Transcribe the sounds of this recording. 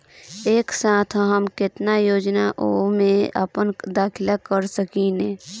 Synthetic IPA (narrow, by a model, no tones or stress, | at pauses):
eːksaːt̪ʰɦəmkɪt̪najoːd͡ʒnaʔomẽə̰pənd̪aːkʰɪlakəɾsəkinẽː